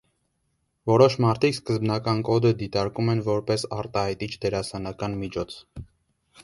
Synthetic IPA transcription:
vɔɾɔʃmɑɾt̪ʰikskəzbnɑkɑnkɔd̪əd̪it̪ɑɾkumɛnvɔɾpɛsɑɾt̪ɑhɑjt̪it͡ʃʰd̪ɛɾɑsɑnɑkɑnmit͡ʃʰɔt͡sʰ

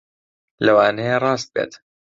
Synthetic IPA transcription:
lɐwaːnejerˤɑːst̪̚bḛːt̪

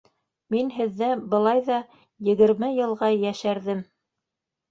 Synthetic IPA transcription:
minɦɘ̆ðːæbɤ̆lˠɑjðɑ | jɘ̆ɡɘ̆ɾmɘjɤ̆lˠʁɑjæʃæɾðɘm

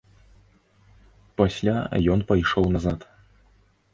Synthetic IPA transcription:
pasʲlʲajɔnpɐjʂɔwnɐzat̪

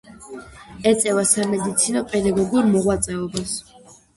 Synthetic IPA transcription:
ɛt̪sʼɛvasamɛd̪it̪sʰinɔpʼɛd̪aɡɔɡuɾmɔʁwat̪sʼɛɔbas

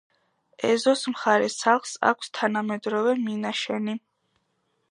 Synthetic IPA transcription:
ɛzɔsmχaɾɛsaχlsa̰kʷʰst̪ʰanamɛd̪ɾɔvɛminaʃɛni

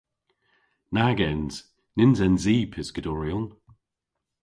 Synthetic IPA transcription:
naɡɛnz̥ | nɪnzɛnziːpʰɪsɡ̥ədɔɹiɔn

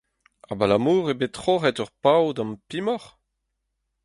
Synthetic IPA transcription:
a̰balamuːʁebetχoʁɛtœʁpawdɑ̃mpimɔʁ

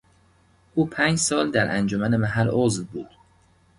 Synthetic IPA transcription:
ʔuːpʰæːnd͡ʒsɒːld̪æɾʔænd͡ʒomæne̞mæɦælozvbuːd̪̥

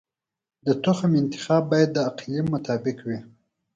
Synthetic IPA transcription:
d̪ət̪ʊxamɪnt̪ɪ̥xɑːbːɑjad̪ːəaqlemːʊt̪ɑbɪkwi

